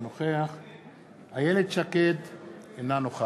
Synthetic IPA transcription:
noχeaχ | hajeled̪ʃaked̪enanoχa

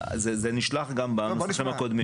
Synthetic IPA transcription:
zezeniʃlaχɡambaanosimakod̪mi

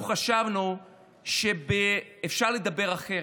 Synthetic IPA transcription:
χaʃavnu | ʃebeːfʃaʁled̪abe̞ʁaχe

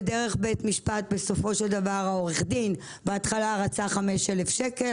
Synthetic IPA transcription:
d̪eʁeχbet̪miʃpat̪̚beso̞fo̞ʃeld̪avaʁao̞ʁeχd̪in | beat̪χalaʁat͡saχameʃelefʃeke̞l

